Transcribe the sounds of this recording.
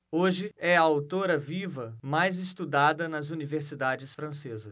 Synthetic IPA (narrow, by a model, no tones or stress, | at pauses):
oʒɪɛɐawt̪oɾɐvivɐmajzɪst̪ud̪ad̪ɐnɐzuniveɾsid̪ad͡ʒɪsfɾɐ̃sezɐ